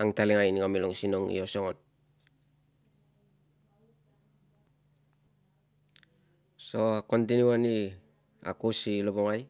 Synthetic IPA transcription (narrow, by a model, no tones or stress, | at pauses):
aŋtaliŋajniŋamiloŋsinoŋḭosoŋon | soakont̬inuani | a̰kusiloboŋaj